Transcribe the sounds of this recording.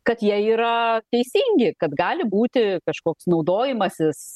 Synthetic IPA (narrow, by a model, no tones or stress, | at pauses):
kɐt̪jiɛiːɾɐt̪ʲɛɪsʲiŋʲɡʲɪkɐt̪ɡɑːlʲɪbuːt̪ʲɪkɐʃkoːksnɒʊd̪oːjɪmɐsʲɪs